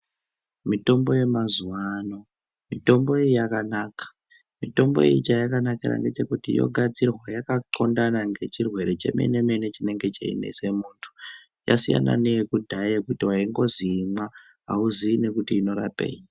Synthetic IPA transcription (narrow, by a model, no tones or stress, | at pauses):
mito̞mbo̞je̞mazuwaano̞ | mito̞mbo̞ijijakanaːkḁ | mito̞mbo̞̰jḭjit͡ʃajakanakira̰ŋɡe̞t͡ʃe̞kutijo̞̰ɡʱad͡zirwajakaǃo̞ndanaŋɡe̞t͡ʃirwe̞ɾe̞t͡ʃḛmḛne̞menet͡ʃine̞ŋɡe̞t͡ʃḛḭnḛse̞muːntʰu̥ | ja̰sija̰na̰nejekudʱaekutiwaiŋɡo̞ziːma | ɦa̰uzine̞kutiːno̞ɾape̞̰ːɲi